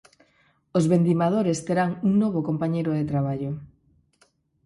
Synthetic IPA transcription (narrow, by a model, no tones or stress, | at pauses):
ozβend̪imað̞oɾest̪eɾaŋuŋnoβ̞okompaɲejɾoðet̪ɾaβ̞aʎo